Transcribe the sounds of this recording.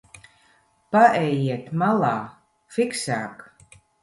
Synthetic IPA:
paʔɛjiɛt̪malˠaː | fiksaːk

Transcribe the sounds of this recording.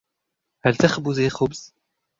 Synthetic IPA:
hælt̪axbʊzixʊbz̥

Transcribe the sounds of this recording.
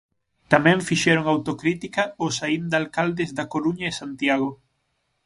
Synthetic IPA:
t̪amɛ̃ɱfiʃɛɾoŋawt̪okɾit̪ikɐʊsaind̪alkald̪ɪzðɐkoɾuɲɐɪsant̪jaɣo

